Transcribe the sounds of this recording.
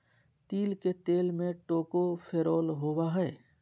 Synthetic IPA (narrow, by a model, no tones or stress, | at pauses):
t̪iːlket̪eːlmẽʈoːkopʰeːɾoːlɦoːwaɦɛː